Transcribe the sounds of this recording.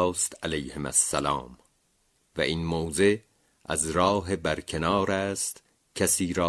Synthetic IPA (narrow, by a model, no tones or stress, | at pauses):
st̪ʰælejhemæ̰sːælɑ̰ːm | væ̰ʔinmoːze̞ | ʔæ̰zɾɒːɦebæɾcʰe̞nɑːɾæːst̪ | cʰæsiːɾɒː